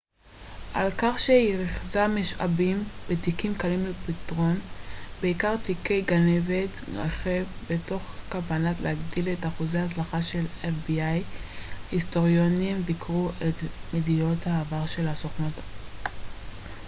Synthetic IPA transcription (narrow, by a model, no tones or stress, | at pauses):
ʔa̰lkaχʃeiʁiχzameʃʔa̰bimbetikimkalimlepitʁo̞nbe̞ikaʁtikejɡaneveta̰χevbeto̞χkabanatlehaɡdiletaχuzejahat͡slaχaʃe̞lefbiajhisto̞ʁjonimbikʁuʔetmedijo̞thaːvaʁʃe̞lasoχnota